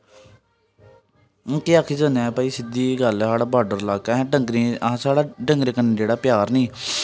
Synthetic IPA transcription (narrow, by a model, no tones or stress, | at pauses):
kiaːkʰiːd͡ʒənãpaːiːsɪd̪iːɡəlɦaːɽaːbaːɾɖəɾlaːkɛ̃ːɦɛ̃ːɖəŋɡɾẽːsaːɽaːɖəŋɡɾeːkənːeːd͡ʒeːɽaːpɪjaːɾnĩː